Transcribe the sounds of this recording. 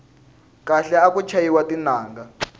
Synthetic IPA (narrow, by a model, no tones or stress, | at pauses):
kaɬɛakut͡ʃʰajiwatinaːŋɡa